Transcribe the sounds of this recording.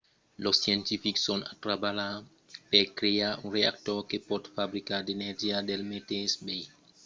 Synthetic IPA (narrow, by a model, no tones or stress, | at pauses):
lɔsjɛntifiksɔnatɾabala | pɛkɾejaunɾeak̚tɔkepɔtfabɾikadenɛɾd͡ʒiadɛlmetɛsbɛj